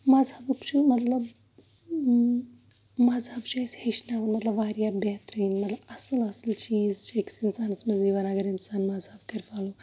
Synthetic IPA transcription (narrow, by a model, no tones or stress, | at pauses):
mɐzhɐbɐkt͡ʃʰumɐt̪lɐb | mɐzhɐft͡ʃaːsheʃnaːʋɐnmɐt̪lɐbʋaːɾjaːbeːt̪ɾiːnmɐt̪lɐbɐsɨlɐsɨlt͡ʃiːzt͡ʃʰeːksinsaːnɐt͡smɐziːʋɐnɐɡɐɾɪnsaːnmɐzɦɐfkɐɾfaːlu